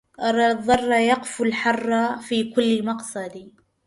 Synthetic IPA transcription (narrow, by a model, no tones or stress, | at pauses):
ʔɑɾˤɑðˤːɑrˤːɑjɑqfulħɑrˤːɑfiːkʊlːmɑqsˤɑd̪i